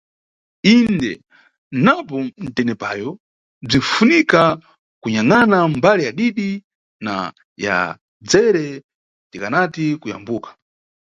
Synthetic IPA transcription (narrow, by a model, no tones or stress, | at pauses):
indɛ | napɔn̩tɛnɛpajɔ | b͡ʐin̩funika | kuɲaŋanambalijaɗiɗi | na̰ | ja̰ | d͡zɛɾɛ | tikanatikuja̰mbuːkḁ